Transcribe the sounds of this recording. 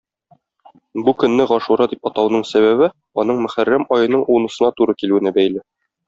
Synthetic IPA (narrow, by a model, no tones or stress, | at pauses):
bukɵ̆nːɘʁɒʃuɾɑd̪ip̚ɒt̪ɑwnɤɴsæβæβɘ | ɒn̪ɤɴmɵ̆χærːæmɒjɤ̆nɤɴunɤ̆sɤ̆nɑt̪uɾɤkilʉɘ̆nɘbæjlɘ